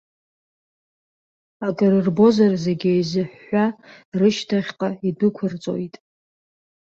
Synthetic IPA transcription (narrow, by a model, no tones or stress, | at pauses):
akʼɨɾɨrbo̞zarze̞ɡʲejzɨħːarɨʃtʰaχʲqʼaidɨkʷʰʊrt͡sʼo̞̰jtʼ